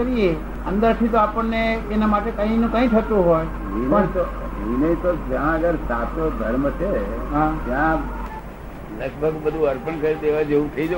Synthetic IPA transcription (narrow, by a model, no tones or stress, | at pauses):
əɾie | ənd̪əɾt̪ʰit̪oapəɳːeːnamaʈekə̃ĩnũkə̃ĩt̪ʰət̪ũɦoj | ʋinət̪oʋinəĩt̪od͡ʒãəɡəɾsat̪od̪ʱəɾmət͡ʃʰeɦãt̪jã | ləɡ̚bʱəɡbəd̪ʱũəɾpənkəɾid̪eʋad͡ʒeũt̪ʰəid͡ʒə